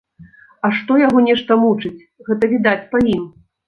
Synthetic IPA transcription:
ɐʂt̪ɔjaɣɔnʲɛʂt̪ɐmut͡ʂɨt͡sʲ | ɣɛt̪ɐvʲid̪at͡sʲpɐjim

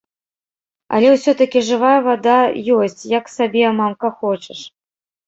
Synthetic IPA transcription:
ɐ̰lʲɛwsʲɔt̪ɐkʲiʐɨvajɐvad̪ajɔsʲt͡sʲjɐksabʲɛmamkɐxɔt͡ʃɛʂ

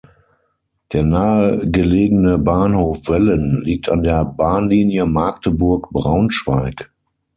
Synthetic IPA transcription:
d̥eːɐnaːəɡəleːɡənəbaːnhoːfv̥ɛlənliːk̚tʰandeːɐbaːnliːnjəmaːk̚təbʊɐkb̥ʁaʊnʃv̥aɪk

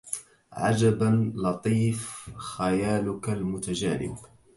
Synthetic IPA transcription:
ʕa̰d͡ʒabanlɑt̪ˤiːfxajaːlʊkalmʊt̪ad͡ʒaːlɪ̰b

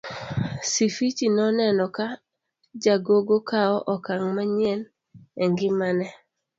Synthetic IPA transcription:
sifit͡ʃinɔnɛnɔka | d͡ʒaɡoɡokaɔʔɔkaŋmaɲɛn | ɛŋɡɪmanɛ

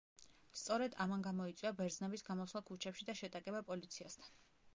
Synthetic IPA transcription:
st̪sʼɔɾɛd̪amanɡamɔit̪sʼiabɛɾd̪znɛbisɡamɔslˠakʰut͡ʃʰɛpʃid̪aʃɛt̪ʼakʼɛbapʼɔlit̪sʰiast̪ʰan

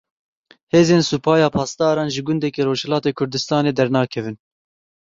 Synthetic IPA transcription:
heːzeːnsupʰɑːjɑːpʰɑːst̪ɑːɾɑːnʒɨɡʊnd̪ɛkeːɾoːʒhɛlɑːt̪eːkʰʊɾd̪ɨst̪ɑːneːd̪ɛɾnɑːkʰɛvɨn

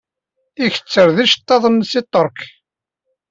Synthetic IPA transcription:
içə̥t͡sːəɾðiʃt̪ˤːɑðˤənːsit̪ˤːəɾˤk

